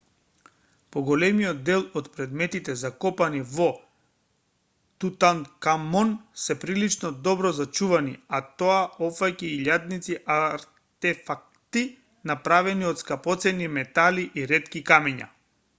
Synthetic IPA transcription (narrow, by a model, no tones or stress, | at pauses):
pɔɡɔlɛmijɔd̪̚dːɛlˠɔt̪pɾɛd̪mɛt̪it̪ɛzakɔpanivɔ | t̪ut̪ankamɔnsɛpɾilit͡ʃnɔd̪ɔbɾɔzat͡ʃuvanḭat̪ɔaɔfaciiʎad̪nit̪siʔaɾ | t̪ɛfak̚t̪i | napɾavɛniɔt̪skapɔt̪sɛnimɛt̪aliʔiɾɛt̪kikamɛɲa̰